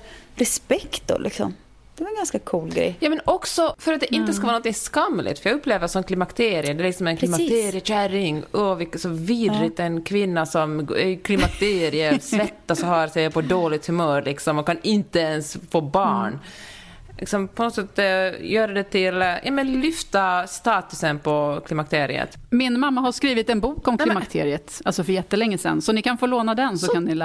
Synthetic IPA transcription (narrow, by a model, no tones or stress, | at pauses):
ɾɛspɛkt̪ɔ̰lʔɪ̰ksɔ̰m | d̪ɛvaɾɛnɡanskakʰuːlɡɾɛ̰jjɑːmɛnɔksɔfœɾat̪d̪ɛʔɪnt̪ːəskavɑːɾnɔnt̪ɪŋskamːlɪ̰t̪fɾjɑɡɵpːleːvəɾsɔmkʰlɪmakt̪ʰeːɾɪəd̪ɛælɪksɔmɛnkʰlɪmat̪ːʰeːɾɪəɕæɾɪŋɔvɪkːsɔviːd̪ɾɪt̪ɛnkʰvɪnːasɔmɡɛkʰlɪmak̚t̪ʰeːɾɪəɾsvɛt̪ːasɔɦɑɾsɛjapɔd̪oːlɪt̪hʉmœːɾlɪksɔmɔkʰanɪnt̪əɛnsfoːbɑːɳ | lʔɪ̰ksɔmpʰɔnoːt̪sɛt̪ːjœːɾad̪ɛt̪ʰɪljʔɑ̰ːmɛnlʏft̪ast̪ɑːt̪ɵsənpʰɔkʰlɪmak̚t̪ʰeːɾɪ̰ə̰t̪ | mɪnmamːaɦaʂkɾiːvɪt̪ɛnbuːkɔmkʰlɪmakkt̪ʰeːɾɪət̪alsɔfœɾjɛt̪ːəlɛŋːəsɛ̰nsɔnɪkanfoːloːnad̪ɛnsɔkannɪl